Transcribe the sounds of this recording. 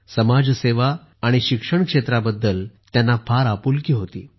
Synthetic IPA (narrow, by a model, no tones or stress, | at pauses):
səmad͡zseʋaː | ɽ̃iɕikʂəɳkʂet̪ɾabəd̪ːəlt̪janːafaɾapulkiːɦot̪ḭː